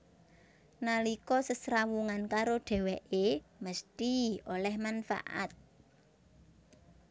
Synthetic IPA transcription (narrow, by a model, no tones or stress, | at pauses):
nalikɔsəsɾawuŋankaɾoɖ̥ɛ̤wɛʔeməst̪iolɛhmanfa̰ʔa̰t̪̚